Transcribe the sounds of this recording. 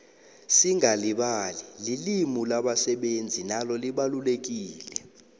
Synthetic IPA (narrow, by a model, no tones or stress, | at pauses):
siŋaliɓalililimulaɓasɛɓend͡zʱinalɔliɓalulek̬iːlɛ